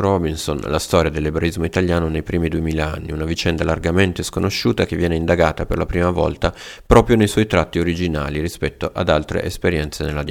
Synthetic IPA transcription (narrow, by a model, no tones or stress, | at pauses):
ɾɔbinsonlast̪ɔːɾjad̪elːebɾaizmoit̪aljaːnonejpɾiːmid̪uemiːlaa̰nːḭunavit͡ʃɛnd̪alarɡament̪eskonoʃːuːt̪ak̟evːjɛːneind̪aɡaːt̪apḛrlapɾiːmavɔ̰lt̪apɾɔːpɾjonejswɔjt̪ɾat̪ːioɾid͡ʒinaːliɾispɛt̪ːoʔad̪alt̪ɾḛʔespeɾjɛnt̪senelːad̪